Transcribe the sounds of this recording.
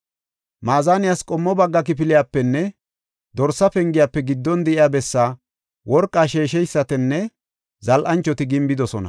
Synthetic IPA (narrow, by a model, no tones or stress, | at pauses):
maːzaːnɪjaskʼɔmːɔbɐɡːɐk̬ɪp̬ɪlɪjaːpːɛnːɛ | d̪ɔɾsːɐpɛŋɡɪjaːpːɛɡɪd̪ːɔnd̪ɛʔɪjaːbɛsːaː | wɔɾkʼːaːʃe̞ːʃɛjsːɐt̪ɛnːɛ | zɐlʔɐnt͡ʃːɔt̪ɪɡɪmbɪd̪ɔsɔnɐ̰